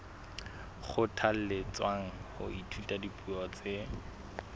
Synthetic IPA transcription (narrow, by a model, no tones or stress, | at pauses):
χʊtʰal̩lɪt͡swaŋ̩hʊ̰ʔitʰutʼadipʼuɔt͡se